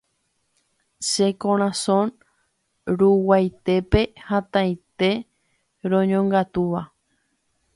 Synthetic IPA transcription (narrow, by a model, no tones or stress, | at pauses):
ʃekõɾ̃ãsõn | ɾuwajt̪e̞pe̞hãt̪ãjt̪e̞ | ɾõɲõŋɡat̪uʋa